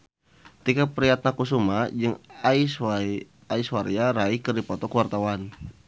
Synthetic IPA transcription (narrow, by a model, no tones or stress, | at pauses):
t̪ikapɾiat̪̚nakus̬umad͡ʒɨŋais | aiswaɾiaɾaikɨrdipɔt̪ɔkəwart̪awan